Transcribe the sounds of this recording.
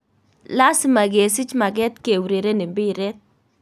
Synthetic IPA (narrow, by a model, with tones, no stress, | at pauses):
la˦sɪ˦ma˨ɡe˨sɪ˦t͡ʃma˨ɡɛ˦t̪ke˨wɾe˨ɾe˦nɪ˨mbɪ˦ɾɛ˦t̪̚